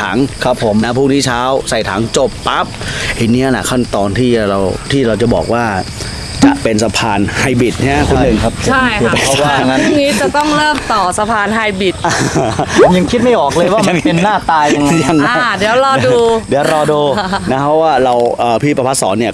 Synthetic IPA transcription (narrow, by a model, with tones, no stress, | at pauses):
aː˩˦ŋkʰɾa˦˥pʰːo˩˦mna˦˥pʰuː˥˩ŋniː˥˩t͡ɕʰaː˦˥wsa˨˩jt̪ʰaː˩˦ŋt͡ɕo˨˩pːa˦˥p̚ʔi˨˧˩niː˦˥˧la̰˨˩kʰa˥˩nt̪ɔː˧nt̪ʰiː˥˩ɾa˧wt̪ʰiː˥˩ɾa˧wt͡ɕa˨˩bɔ̰ː˨˩k̚waː˥˩ | t͡ɕa̰˨˩ʔpe˧nsa˧pʰaː˧nha˧jbi˨˩t̪̚na˥˩a˦˥kʰu˧nːɯ˨˩ŋ˦t͡ɕʰa˥˩j | a˦˩˨ŋiː˦˥t͡ɕa˨˩t̪ɔ˥˩ŋɾɤː˥˩mt̪ɔː˨˩sa˧pʰaː˧nɦa˧jbi˨˩t̪̚ː | ja˧ŋkʰi˦˥t̪̚ma˥˩jʔɔː˨˩k̚ləɤː˧jwaː˥˧˩a˧ŋe˧nnːaː˥˩t̪aː˧ja˧ŋ˧ja˧ŋa˦˥di˩˦wɾɔː˧duː˧diː˩˦wɾɔː˧duː˧na˦˥pʰɔ˦˥waː˥˩ɾa˧wʔəː˨˩pʰiː˥˩pɾa˧pʰa˦˥t̪̚sɔ̰ː˩˦nːi˥˩ɐ